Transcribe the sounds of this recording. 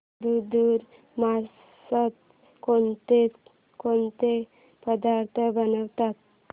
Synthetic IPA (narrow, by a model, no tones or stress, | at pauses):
d̪ud̪uːɾ | ma | sət̪ | kont̪e | kont̪e | pəd̪aɾt̪ʰəbənəʋt̪at̪̚